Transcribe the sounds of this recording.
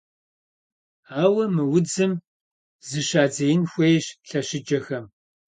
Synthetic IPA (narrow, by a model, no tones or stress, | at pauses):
aːwɐmɨwʊd͡zɨm | zɨɕaːd͡zɐjɪnxʷejɕɬɐɕɪd͡ʒɐxɐm